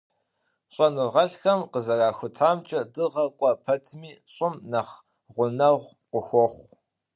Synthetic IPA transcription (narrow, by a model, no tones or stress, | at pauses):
ɕʼɐnɨʁɐɬxɐmqəzɐraːxʷʊtʰaːmt͡ʃʼɐdɨʁɐkʷʼɔpʰɐtʰmiːɕʼʊmnɐχ | ʁʷʊnɐʁʷ | qʷʊxʷɔχʷ